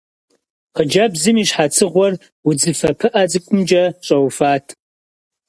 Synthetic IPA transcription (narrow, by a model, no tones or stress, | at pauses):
qəd͡ʒɐbzɨmiːɕħat͡sʰɨʁʷɔr | wʊd͡zɨfɐpʰɨʔad͡zɨkʷʼʊmd͡ʒɐɕʼɐwfaːtʰ